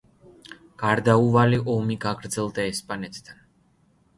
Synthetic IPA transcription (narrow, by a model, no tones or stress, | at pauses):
ɡ̥aɾd̪auvaliʔɔmiɡaɡɾd̪zɛlˠd̪aɛspʼanɛt̪ʰd̪ʰan